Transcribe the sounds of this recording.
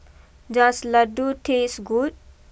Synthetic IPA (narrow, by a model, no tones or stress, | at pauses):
d͡ʒãslɐɖuʈʰesɡuʈ